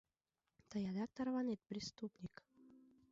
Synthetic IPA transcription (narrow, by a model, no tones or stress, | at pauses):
t̪ɑjɑd̪ɑk̚t̪ɑrvɑnʲet̪̚pɾʲist̪upnʲik